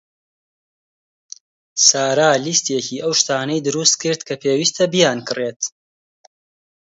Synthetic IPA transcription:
saːɾaːlist̪eciːʔɐwʃt̪aːnɐjd̪ɨɾust̪kɨɾd̪kʰɐpʰeːwiːst̪ʰɐbijaːnkʰɨreːt̪

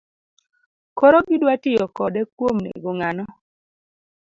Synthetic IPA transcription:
kɔɾoɡidwatɪjɔkɔdɛkwomnḛɡoŋanɔ

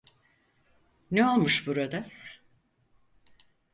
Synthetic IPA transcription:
neo̞lˠmuʃbuɾad̪a

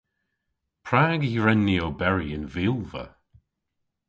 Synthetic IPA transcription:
pʰɹaːɡiɹɛnːiowbɛɹiənvɪlˠvə̰

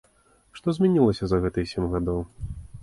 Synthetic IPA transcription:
ʂt̪ɔzʲmʲɛnʲilˠɐsʲɐzɐɣɛt̪ɨjsʲɛmʲɣad̪ɔw

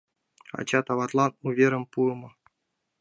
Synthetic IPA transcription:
ɑ̰t͡ɕɑt̪ɑvɑt̪lˠɑnuvʲeɾə̆mpumɤ

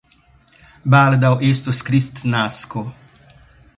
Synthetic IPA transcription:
bald̪awʔeːst̪uskɾist̪naːsku

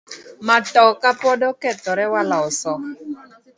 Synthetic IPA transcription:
matɔkapɔdɔkɛt̪ɔɾɛwalaɔsɔ

